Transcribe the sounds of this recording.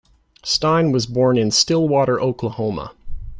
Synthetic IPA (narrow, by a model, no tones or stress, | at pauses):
stãɪ̃nwʌzbɔɹnɨ̃nstɪlˠwɔɾə˞ʔoʊkʰləhõʊ̃mə̰